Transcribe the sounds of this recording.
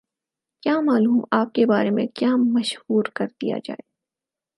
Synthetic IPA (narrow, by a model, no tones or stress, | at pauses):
kjaːmaːluːmaːp̚kebaːɾemẽkjaːmɐʃhuːɾkɐɾd̪ḭja̰d͡ʒa̰ːeː